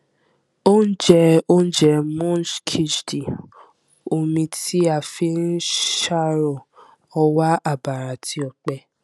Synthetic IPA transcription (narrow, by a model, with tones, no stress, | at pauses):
o˦n̩˦d͡ʒɛ˧o˦n̩˦d͡ʒɛ˧mɔ̃˦d͡ʒkʰi˦d͡ʒdi˨ | o˨mĩ˧ti˦a˨fi˧˦nĩ˦ʃa˦˨ɾɔ˨ | ɔ˧wa˦a˦˨ba˨ɾa˨tʰi˧ɔ˧˨k͡pɛ˧